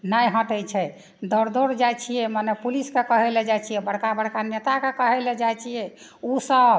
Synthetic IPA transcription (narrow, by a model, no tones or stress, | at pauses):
najɦə̃ʈət͡ʃʰɛ | d̪ɔɾd̪oɾd͡ʒajt͡ʃʰijɛmənɛpuliskekəɦɛlɛd͡ʒajt͡ʃʰijɛbəɽkabəɽkanet̪akekəɦɛlɛd͡ʒajt͡ʃʰijɛ | usəb